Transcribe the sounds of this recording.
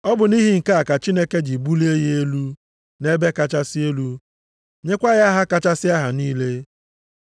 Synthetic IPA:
ɔ˦bʊ˨ni˦ɦi˨ŋ̩˨ka˦a˨ka˨t͡ʃi˦ne˦ke˦d͡ʒi˨bu˦li˦e˦je˦lu˦ | ne˦be˦ka˦t͡ʃa˦sɪ˦e˦lu˦ | ɲe˦kʷa˦ɣa˦ɦa˦ka˦˨t͡ʃa˦sɪ˦a˦ɦa˨niː˦le˦

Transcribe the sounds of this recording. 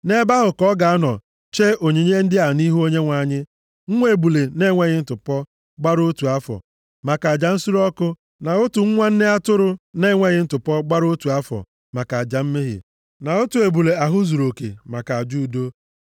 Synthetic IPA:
ne˦ba˦ɦʊ˨kɔ˦ɡa˨a˦nɔ˨ | t͡ʃe˦o˨ɲe˨ɲe˦n̩˦dɪ˦a˨ni˦ɦu˦o˦ɲe˦ŋʷa˨ɲɪ˦ | ŋ̩˦ŋʷe˦e˨bu˨le˨ne˦ŋʷe˦ɣɪ˦n̩˦tʊ˨pɔ˦ | ɡ͡ba˦ɾo˦tu˨a˦fɔ̰˨ | ma˨ka˨a˨d͡ʒa˨n̩˦su˦ɾɔ˦kʊ˦ | na˨o˦tu˨ŋ̩˦ŋʷa˦n̩˦ne˦a˦tʊ˦ɾʊ˦ne˦ŋʷe˦ɣɪ˦n̩˦tʊ˨pɔ˦ɡ͡ba˦ɾo˦tu˨a˦fɔ̰˨ | ma˨ka˨a˨d͡ʒa˨m̩˦me˦ɦɪ̰˨ | na˨o˦tu˨e˨bu˨le˨a˨ɦʊ˦zu˨ɾo˨kḛ˨ma˨ka˨a˨d͡ʒu˦u˨do˦

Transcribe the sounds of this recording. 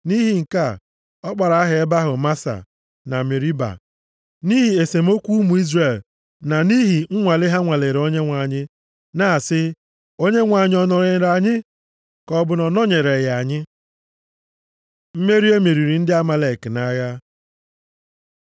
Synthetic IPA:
ni˦ɦi˨ŋ̩˨ka˦˨ | ɔ˦k͡pa˨ɾa˨a˦ɦe˨e˦ba˦ɦʊ˨ma˦sa̰˨ | na˨me˨ɾi˦ba̰˨ | ni˦ɦi˨e˨se˨m̩˦o˦kʷu˦u˦mu˨i˦zre˨l | na˨ni˦ɦi˨ŋ̩˦ŋʷa˨le˦ɦa˦ŋʷa˨le˨ɾo˦ɲe˦ŋʷa˨ɲɪ˦ | na˨sɪ˦ | o˦ɲe˦ŋʷa˨ɲɪ˦ɔ˨nɔ˨ɾe˨˦ɾa˨ɲɪ˦ | kɔ˦bʊ˨nɔ˨nɔ˦ɲe˨ɾe˨ɣja˨ɲɪ˦ | m̩˦me˦ɾi˦e˦me˨ɾi˨ɾi˨n̩˦dɪ˦a˦ma˨le˨kna˦ja˦

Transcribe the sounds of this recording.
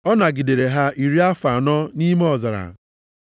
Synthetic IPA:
ɔ˦na˨ɡi˨de˨ɾe˨ɦa˦i˨ɾi˦a˦fa˨nɔ˦ni˦me˦ɔ˨za˨ɾa̰˨

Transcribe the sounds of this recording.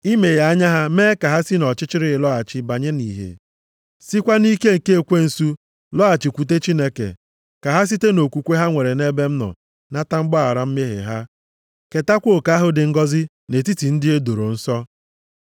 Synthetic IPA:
i˦me˨ja˨˦a˦ɲa˦ɦa˦meː˦ka˨ɦa˦si˦nɔ˨t͡ʃɪ˦t͡ʃɪ˦ɾɪ˦˨lɔ˦a˨t͡ʃɪ˨ba˨ɲe˦ni˨ɦḛ˨ | si˦kʷa˦ni˦ke˦ŋ̩˨ke˦e˨kʷe˦n̩˨su˦ | lɔ˦a˨t͡ʃi˨kʷu˨t̬e˦t͡ʃi˦ne˦kḛ˨ | ka˨ɦa˦s̬i˦te˦no˨kʷu˨kʷe˦ɦa˦ŋʷe˨ɾe˨ne˦be˦m̩˦nɔ̰˨ | na˦ta˦ŋ͡m̩˦ɡ͡bɔ˦a˨ɾa˦m̩˦me˦ɦḛ˨ɦa˦ | ke˨ta˦kʷo˦o˨ka˨a˦ɦʊ˦dɪ˨ŋ̩˦ɡɔ˦zɪ˦ | ne˨ti˦ti˨n̩˦dɪ˦e˦do˨ɾo˨n̩˦sɔ˦

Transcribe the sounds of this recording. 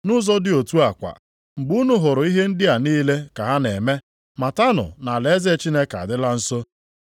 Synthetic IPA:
nʊ˦zɔ˦dɪ˦o˨tu˦a˨kʷa̰˨ | ŋ͡m̩˨ɡ͡bu˦nʊ˦ɦʊ˨ɾʊ˨i˦ɦe˦n̩˦dɪ˦a˨niː˦le˦ka˨ɦa˦ne˨me˦ | ma˨ta˦nʊ̰˨na˨le˨e˦ze˦t͡ʃi˦ne˦ka̰˨dɪ˦la˦n̩˦so˦

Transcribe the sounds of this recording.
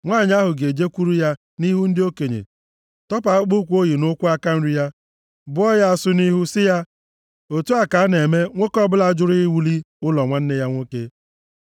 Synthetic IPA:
ŋʷaː˦˨ɲ˦a˦ɦʊ˨ɡe˨d͡ʒe˦kʷu˦ɾu˦ja˦ | ni˦ɦu˦n̩˦dɪ˦o˦ke˨ɲḛ˨ | tɔ˦p̬a˨˦k͡pu˦kʷu˦o˦ji˨nʊ˦kʷʊ˦a˦ka˦n̩˦ɾi˦ja˦ | bʊ˦ɔ˦ja˦a˨sʊ˦ni˦ɦu˦sɪ˦ja˦ | o˨tu˦a˨ka˨˦ne˨me˦ŋʷo˦kɔ˦bʊ˦la˨˦˨d͡ʒʊ˦ɾi˦i˦wu˦li˦ | ʊ˦lɔ˨ŋʷa˦n̩˦ne˦ja˦ŋʷo˦ke˦

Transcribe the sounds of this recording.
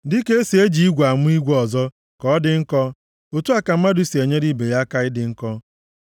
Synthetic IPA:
dɪ˦ke˦si˨e˦d͡ʒi˦i˦ɡʷa˨mʊ˦i˦ɡʷɔ˨zɔ˦ | kɔ˨˦dɪ˨ŋ̩˦kɔ˦ | o˨tu˦a˦ka˨m̩˦ma˦dʊ˦si˨e˨ɲe˦di˦˨be˨ɾja˦ka˦ɪ˦dɪ˨ŋ̩˦kɔ˦

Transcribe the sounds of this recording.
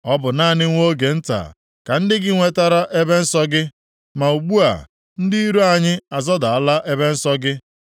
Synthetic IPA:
ɔ˦bʊ˨na˦˨nɪ˦ŋʷo˦ɡe˨n̩˦ta̰˨ | ka˨n̩˦dɪ˦ɡɪ˦ŋʷe˦ta˦ɾa˦ʔe˦be˦n̩˦sɔ˦ɡɪ˦ | ma˨u˨ɡ͡bu˦a̰˨ | n̩˦di˦i˦ɾu˦a˨ɲɪ˦a˨zɔ˦da˨a˨la˦ʔe˦be˦n̩˦sɔ˦ɡɪ˦

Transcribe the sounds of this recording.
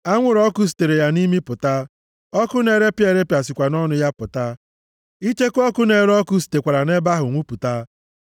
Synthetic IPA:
a˦ŋʷʊ˦ɾɔ˦kʊ˦s̬i̥˨te˨ɾe˨ja˦ni˦mi˦pʊ˨ta˦ | ɔ˦kʊ˦ne˨ɾe˦pje˨ɾe˦pja˨sɪ˨kʷa˨nɔ˦nʊ˦ja˦pʊ˨ta˦ | i˦t͡ʃe˦kɔ˦kʊ˦ne˨ɾɔ˦kʊ˦s̬i̥˨te˨kʷa˨ɾa˨ne˦ba˦ɦʊ˨ŋʷu˦pu˨ta˦

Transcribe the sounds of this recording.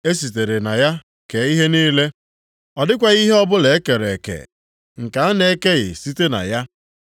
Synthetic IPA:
e˦s̬i˨te˨ɾe˨na˨ja˦ | ke˨˦i˦ɦe˦niː˦le˦ | ɔ˨dɪ˦kʷa˨ɣi˦ɦe˦ɔ˦bʊ˦le˨e˦ke˨ɾe˨kḛ˨ | ŋ̩˨ka˨a˦ne˨˦ke˦ɣɪ̰˨si˦te˦na̰˨ja˦

